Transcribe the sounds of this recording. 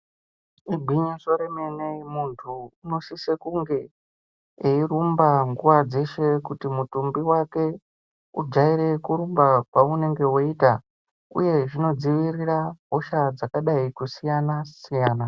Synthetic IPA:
ibʱiɲiʐoɾemenemuntʰuːno̞sisekuŋɡe̞ | eiɾumbaŋɡuʋad͡ze̞ʃe̞kutimutumbiwake̞ | ud͡ʒaiɾe̞kuɾumbakwaune̞ŋɡe̞woita | ṵje̞ʐino̞d͡ziʋiɾiraɦoʃad͡zakaɗaikusijanasijaːna

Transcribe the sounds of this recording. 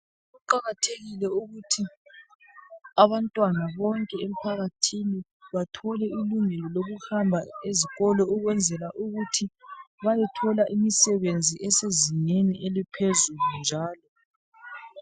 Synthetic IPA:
ɣuǃaɣatʰeɣilɛuɣutʰi | aβantʼwanaβɔŋkʼɛem̩pʰaɣatʰini | βatʰɔlɛiluŋɛlɔloɣuhambʱaeziɣɔlɔuɣwɛnd͡zʱɛlaʔuɣutʰiβajɛtʰɔlaʔimisɛβend͡zʱiʔɛsezineniʔelipʰezulund͡ʒʱaːlɔ

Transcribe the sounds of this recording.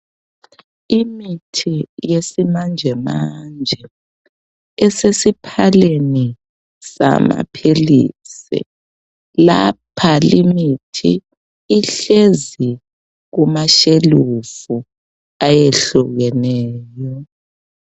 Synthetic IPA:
imitʰijesimand͡ʒʱɛmand͡ʒʱɛ | ɛsesipʰaleni | sa̰ma̰pʰilḭːsḭ | lapʰalimitʰḭː | ɬezi | ɣumaʃelufu | ajeɬuɣɛnɛːjɔ

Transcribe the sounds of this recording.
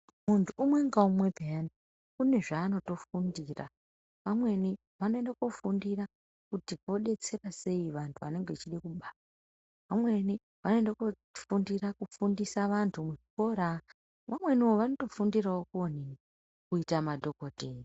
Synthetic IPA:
muntʰuːmweŋɡaumwe̞bʱean | kune̞ʐaːno̞to̞fundira̰ | ʋamwe̞ni | ʋano̞endakofundira | kutiko̞ɗe̞t͡se̞rase̞iʋantʰuʋane̞ŋɡet͡ʃiɗekuɓaa | ʋamwe̞ni | ʋano̞endako | fundirakufundisaʋantʰumwuko̞ɾa | ʋamwe̞nioʋano̞to̞fundirawokuoni | kuitamadʱo̞kotei

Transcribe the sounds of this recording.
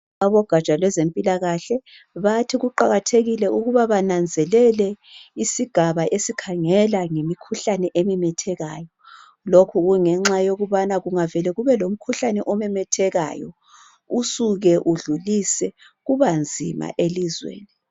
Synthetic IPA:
aβɔɡ̥ʱat͡ʃʼalwɛzempʼilaɣaɬɛ | βatʰiɣuǃaɣatʰeɣilɛuɣuβaβanand͡zʱɛlɛlɛ | isiɡ̥ʱaβaʔesikʰaŋɛlaŋemikʰuɬanɛʔemimɛtʰɛɣaːjɔ | lokʰuɣuŋɛŋ͡ǁajoɣuβanaɣuŋavɛlɛɣuβɛlom̩kʰuɬanɛʔɔmɛmɛtʰɛɣa̰jɔ̰ | usuɣɛʔuɮulisɛ | ɣuβand͡zʱima̰ʔelizwḛːni

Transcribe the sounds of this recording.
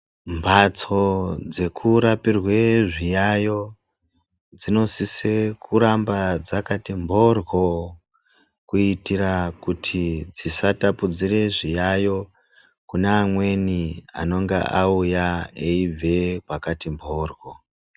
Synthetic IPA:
mbʱat͡so̞d͡ze̞kʰuɾapirwe̞ʐijajo̞ | d͡zino̞sisekʰuɾambad͡zakatimbʱo̞rwo̞ | kuitiɾakutʰid͡zisatapud͡zire̞ʐijajo̞ | kunaːmwe̞nia̰no̞ŋɡḛʔaujaeivʱekwakatimbʱoːrwo

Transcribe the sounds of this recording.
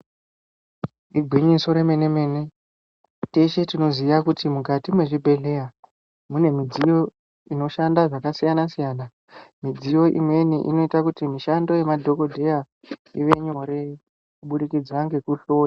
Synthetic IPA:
iɡʱwiɲiso̞ɾeme̞neme̞ne | teʃe̞tino̞zijakutimukatimwe̞ʐibʱe̞ɮe̞ja | mune̞mid͡zijo̞ | ino̞ʃandaʐakasijanasijaːna | mid͡zijo̞ʔḭmwe̞niʔḭno̞itakutimiʃando̞je̞madʱo̞ko̞dʱe̞ja | iʋe̞ɲo̞ɾe | kuɓuɗikid͡zwaŋɡe̞kuɬo̞ːja

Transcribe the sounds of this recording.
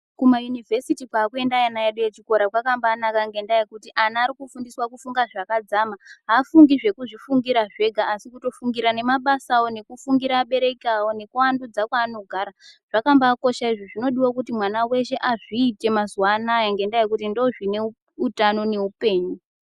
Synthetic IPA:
kumajunivʱe̞sitikwaːkue̞ndajanajeɗujet͡ʃiko̞ɾakwakambaːnakaŋɡe̞ndajekutiʔanaːɾikufundiswakufuŋɡaʐakad͡zamaɦafuŋɡiʐe̞kuʐifuŋɡiɾaʐe̞ɡʱaːsikuto̞fuŋɡiɾane̞maɓasawo̞ne̞kufuŋɡiɾaːɓe̞ɾe̞kawo̞ne̞kuwandud͡zakwaːno̞ɡʱaɾaʐ̥akambaːko̞ʃaiʐoʐino̞ɗiwokutimwanawe̞ʃe̞ʔaʐiːte̞mazuwanajaŋɡe̞ndajek̬utindo̞ʐine̞ | utano̞ne̞upe̞ːɲu

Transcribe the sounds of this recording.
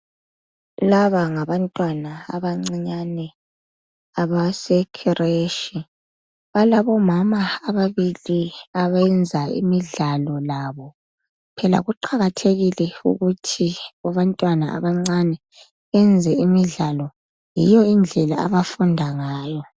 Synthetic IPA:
laβaŋaβantʼwanaaβaŋ͡ǀiɲanɛ | aβasɛkʰɛrʔeʃi | βalaβɔmamaːβaβiliaβɛnd͡zʱaḭmiɮalɔlaβɔ | pʰɛla̰ɣuǃʰaɣatʰeɣilɛṵɣutʰiaβantʼwanaʔa̰βaŋ͡ǀanɛ | ɛnd͡zʱɛimiɮalɔ | jijɔind͡ɮʱɛla̰a̰βafundʱaŋaːjɔ

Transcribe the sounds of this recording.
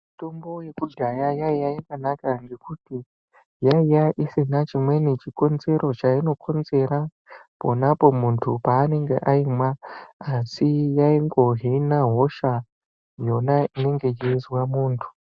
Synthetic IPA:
mitombo̞je̞kuɟʱajajaijajakanakaŋɡe̞kuti | jaijaʔisinat͡ʃimwe̞nit͡ʃiko̞nze̞ɾʔo̞t͡ʃaino̞kʰo̞nze̞ɾa | po̞̰napo̞muntʰupaːne̞ŋɡḛʔaimwaasijaiŋɡo̞ɦinaɦo̞ʃa | jo̞naine̞ŋɡe̞d͡ʒeizwamuːntʰu̥

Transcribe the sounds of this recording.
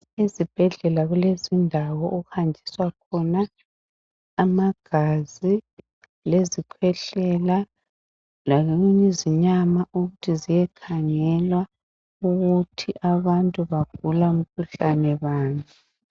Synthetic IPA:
ezib̥ʱɛɮɛlaɣulezindʱawɔʔuhandʱiswakʰɔna | maɡ̥ʱazi | lezikʰwɛɬɛla | laɣeɣuɲeziɲamaʔuɣutʰizijɛkʰaŋɛlwa | uɣutʰiʔaβantʼuβaɡ̥ʱulaum̩kʰuɬanɛβaːŋi

